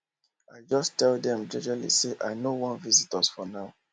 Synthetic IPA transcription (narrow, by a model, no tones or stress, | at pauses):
aɪd͡ʒɔstɛldɛ̃md͡ʒɛ̃d͡ʒalḭseʔaɪnowɔ̃nvizitɔz̥fɔnaʊ